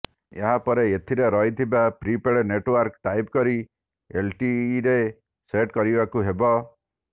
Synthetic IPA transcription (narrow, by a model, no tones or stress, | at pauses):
ḛɦãpɔɾeet̪ʰiɾeɾɔɦit̪ʰibapɾipeɽeneʈwɔɾkʈ̪ajp̚kɔɾi | elʈiɾe | seʈkɔɾibakuɦebɔ